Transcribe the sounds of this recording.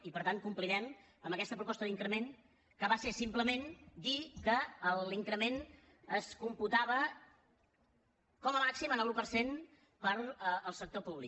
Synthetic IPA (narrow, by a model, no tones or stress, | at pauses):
ipəɾt̪aŋkumpliðɛm | əmbəkɛst̪əpɾupɔst̪əðiŋkɾəmen | kəβasesimpləmend̪ikəːliŋkɾəmen | əskumput̪aβ̞ə | kɔməmaksimənəlˠupəɾsen | pəɾəlˠsək̚t̪opuβli